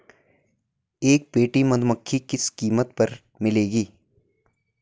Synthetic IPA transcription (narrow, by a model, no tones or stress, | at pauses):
eːk̚peːʈimɐd̪ʱməkʰːikɪskiːmət̪pɐɾ | mɪleːɡiː